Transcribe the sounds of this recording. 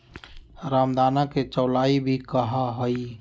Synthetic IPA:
ɾamd̪anaket͡ʃəwlaibʱikəɦaɦəj

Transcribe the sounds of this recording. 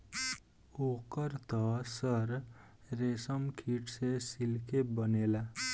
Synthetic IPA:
okəɾt̪ɔsəɾ | ɾesəmkʰiʈsesilkʰebənela

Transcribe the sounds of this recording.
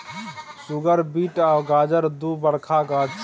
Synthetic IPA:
sʊɡəɾbiːʈaːɡaːd͡ʒəɾd̪ubəɽkʰaɡaː

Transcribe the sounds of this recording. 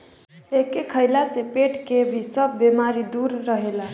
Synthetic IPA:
ekekʰəjlasepeʈkebʱisəbːemaɾid̪uɾːəɦela

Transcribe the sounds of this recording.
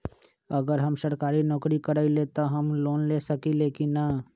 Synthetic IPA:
əɡəɾɦəmʃəɾkaːɾinɔːkɾikəɾailet̪aɦəmloːnleːsəkileːkinːa

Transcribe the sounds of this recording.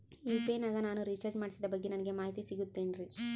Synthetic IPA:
iːpeːnaːɡɐnaːnuɾit͡ʃɐɾd͡ʒmaːɽisid̪ɐbɐɡːenɐnɐɡe̞maːɦit̪isiɡut̪ːeːnɾi

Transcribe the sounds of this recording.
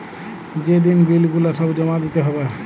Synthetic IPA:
d͡ʑed̪inbilɡulaʃɔbd͡ʑɔmad̪it̪eɦɔbe

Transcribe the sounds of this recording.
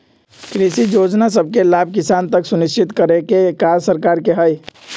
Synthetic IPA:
kɾisijod͡ʒnas̬əbʱkelab̚ʱkisant̪əksunist͡ʃʰit̪kəɾekekaɾsəɾkaɾkeɦəj

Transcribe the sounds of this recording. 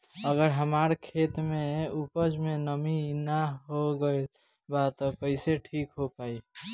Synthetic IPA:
əɡəɾɦəmaːɾkʰeːt̪mẽupəd͡ʒmẽnəminaɦoɡəe | bat̪ɔkəɪseʈʰiːkɦopaːi

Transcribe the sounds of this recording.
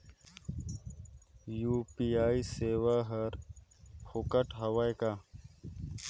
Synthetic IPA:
juːpiaːiseːwaɦɐɾ | hukɐʈɦɐwajka

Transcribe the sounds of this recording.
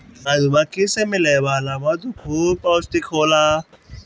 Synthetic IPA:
adʊbakʼɪsɛmɪlɛbalabadukʰupʼaʊstʼɪkʰʊla

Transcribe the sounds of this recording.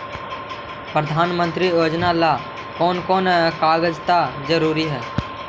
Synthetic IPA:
pɾəd̪ʱaːnmə̃nt̪ɾijoːd͡ʒnala | kɔːnkɔːnɛkaːɡəd͡ʒt̪ad͡ʒəɾuːɾiɦɛː

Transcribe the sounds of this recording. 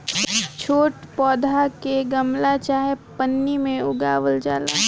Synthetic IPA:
t͡ʃʰoːʈpɔːd̪ʱakeɡɐmlat͡ʃaːɦepənːimẽʊɡaːʋəld͡ʒaːlaː

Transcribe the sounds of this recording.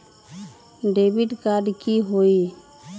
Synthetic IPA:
ɖebiɖkaɖkiɦoi

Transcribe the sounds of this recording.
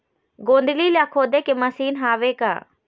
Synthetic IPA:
ɡõːnd̪ɪliːljaːkʰoːd̪eːkeməsiːnɦaːʋeːka̰ː

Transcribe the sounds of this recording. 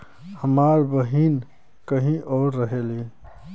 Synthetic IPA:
həmaːɾbəɦiːn | kəɦĩʔɔːɾːəɦele

